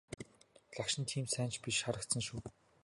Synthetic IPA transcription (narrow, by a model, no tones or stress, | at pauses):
ɮakʃɪ̆nt̪ʰiːmsæːnt͡ɕpʲiʃʃaɾə̆k̚t̪sə̆nʃuː